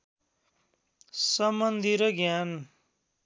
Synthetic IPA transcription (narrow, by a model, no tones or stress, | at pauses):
sʌmʌnd̪ʱiɾʌɡjan